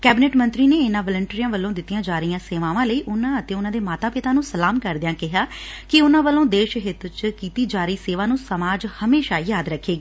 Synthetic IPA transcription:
kɛːbɪneːʈmə̃nt̪ɾiːneːɪnãːʋələɳʈɾiːjãːʋəlːõːd̪ɪt̪ːijãːd͡ʒaːɾəijãːseːʋãːʋãːləiːʔʊnãːət̪ẽːʊnãːd̪eːmaːt̪aːpɪt̪aːnũːsəlaːmkəɾd̪ɪjãːkɪɦaːkɪʊnãːʋəlːõːd̪eːʃɦɪt̪t͡ʃkiːt̪iːd͡ʒaːɾəiːseːʋãːnũːsəmaːd͡ʒhəmeːʃaːjaːd̪ɾəkʰːeːɡiː

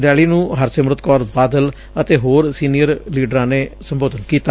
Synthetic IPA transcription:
ɾɪjaːliːnũːɦəɾsəmɾət̪kɔːɾbaːd̪əl | ət̪eːɦoːɾsiːnijəɾliːɖəɾãːneːsəmboːd̪ənkiːt̪aː

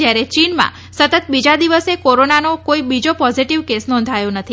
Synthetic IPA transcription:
jaɾet͡ʃinmã̰ | sət̪ət̪̚bid͡ʒad̪iʋəsekoɾonanokoibid͡ʒopɔziʈiʋkesnɔ̃nd̪ʱajõnət̪ʰi

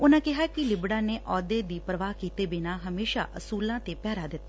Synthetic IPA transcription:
ʊnãːkɪɦaːkɪlɪbɽaːneːʔɔːd̪eːd̪iːpɾəʋaːɦkiːt̪eːbɪnaːɦəmeːʃa̰ːʔəsuːlãːt̪eːpɛːɾaːd̪ɪt̪ːaː

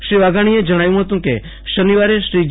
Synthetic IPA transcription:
ʃɾiʋaɡʱaɽ̃ied͡ʒəɽ̃ajũɦət̪ũkḛ | ʃəniʋaɾeʃɾid͡ʒ

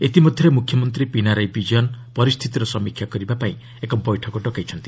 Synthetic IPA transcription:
et̪imɔd̪ʱjɔɾemukʰːjɔmɔnt̪ɾipinaɾajbid͡ʒiɔnpɔɾist̪ʰit̪iɾɔsɔmikʰjakɔɾibapaĩ | ekɔbɔjʈʰɔkɔɖɔkajt͡ʃʰɔnt̪i̥

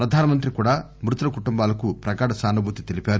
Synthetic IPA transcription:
pɾɐd̪ʱaːnɐmɐnt̪ɾikuːɽaː | mɾut̪ɐlɐkuʈumbaːlɐkupɾɐkaːɽɐsaːnubʱuːt̪it̪e̞lipaːɾu

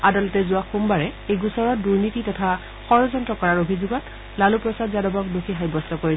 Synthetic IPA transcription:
adalɔtɛzʊaxumbaɹɛejɡusɔɹɔtduɹnititɔtʰa | xɔɹɔzɔntɹɔkɔɹaɹobʱizuɡɔt | lalupɹɔsadzadɔbɔk̚duxʰiɦajbɔstɔkoɹi

